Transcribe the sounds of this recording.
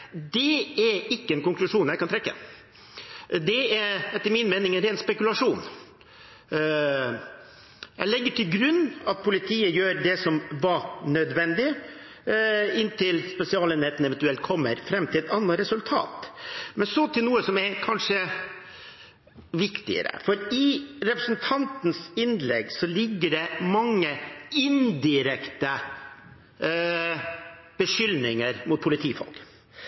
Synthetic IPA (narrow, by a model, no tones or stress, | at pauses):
d̪ɛɛɪkːəɛnkʊŋklʉʂuːnjæɪkɑnt̪ɾɛkːə̰ | d̪ɛæɾɛt̪ːəɾmɪnmɛnɪŋɛnɾɛːnspɛkʉlɑʂuːn | jæ̰ɪlɛɡːəʈʰɪlɡɾʉnːɑt̪̚pʰʊlɪt̪ʰiːəjøːɾd̪ɛsɔmʋɑnœd̪ʋɛnd̪ɪ | ɪnːt̪ʰɪlspɛsɪɑːlɛnheːt̪n̩ɛʋɛnt̪ʉɛlt̪̚kʰɔmːə̰ɾfɾɛmːt̪ʰɪlɛt̪ɑnːɑɾɛsʉlt̪ʰɑ̰ːt̪mɛnsɔt̪ʰɪlnuːəsɔmɛkʰɑnʂə | ʋɪkt̪ɪ̰ə̰ɾə̰fɔɾɪɾɛpɾəsn̩t̪ʰɑnt̪n̩sɪnlɛɡsɔlɪɡːəɖɛmɑŋːəɪnd̪ɪɾɛkt̪ə | b̥əʂʏlnɪŋəɾmʊt̪̚pʰʊlɪt̪ʰiːfɔ̰lk